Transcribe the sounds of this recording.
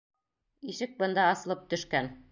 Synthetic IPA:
iʃɘk̚bɤ̆nd̪ɑɑsɤ̆lˠɤp̚t̪ɵ̆ʃkæn

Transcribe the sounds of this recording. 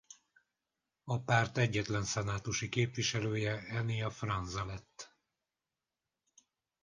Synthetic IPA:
ɒpaːrt̪ɛɟːɛt̪lɛnsɛnaːt̪uʃikeːpviʃɛløːjɛɛnijɒfrɒnzɒlɛt̪ː

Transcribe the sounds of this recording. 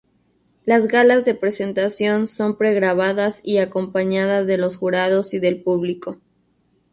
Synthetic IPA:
lazɣalazðe̞pɾe̞se̞nt̪asjo̞nso̞mpɾe̞ɣɾaβaðasiako̞mpaɲaðazðe̞lo̞sxuɾaðo̞siðe̞lpuβliko̞

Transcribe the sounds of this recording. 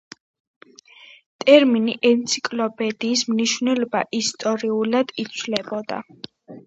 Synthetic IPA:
t̪ʼɛɾminiʔɛnt̪sʰikʼlɔpʰʼɛd̪iːsmniʃvnɛlɔbaʔist̪ʼɔɾiulad̪̥it̪sʰvlɛbɔd̪a̰

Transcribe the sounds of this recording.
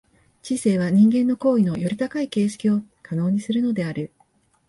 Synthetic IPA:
t͡ɕise̞ːβ̞aɲ̟ĩŋɡẽ̞nːo̞ko̞ːino̞jo̞ɾʲit̪akaike̞ːɕi̥kʲio̞ | kʰano̞ːɲ̟isɨɾɯ̟no̞d̪e̞aɾɯ̟

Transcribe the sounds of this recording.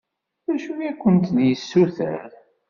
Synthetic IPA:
ðæʃujækʷːənt̪njəsːuθə̰ɾ

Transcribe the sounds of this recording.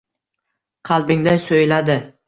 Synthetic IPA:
qʰɑlˠbɪŋd̪asojlad̪ɪ

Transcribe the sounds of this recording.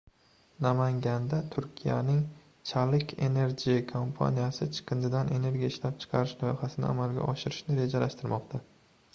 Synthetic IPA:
namaŋɡʲand̪at̪ʰʊɾkʲʰija̰nɪŋ | t͡ʃʰalɪkʲʰe̞̰ne̞ɾd͡ʒʲikʰompʰa̰nijasɪt͡ʃʰɨ̥qʰɨnd͡ʒɪd̪anʔene̞ɾɡʲijaɪʃlap̚t͡ʃʰɨ̥qʰɑɾɪʃlɒjχasɪnɪ̰a̰malɡʲa̰ʔɒʃɪɾɪʃnɪɾe̞d͡ʒalaʃt̪ɪɾmɒqt̪ʰa

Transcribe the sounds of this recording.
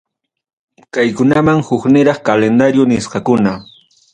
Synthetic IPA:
kajkʊnamaŋhʊknɪɾɑχkalend̪aɾjʊnɪsqɑkʊna

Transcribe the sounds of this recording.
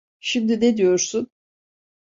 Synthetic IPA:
ʃimd̪ined̪ijo̞ɾsʊn

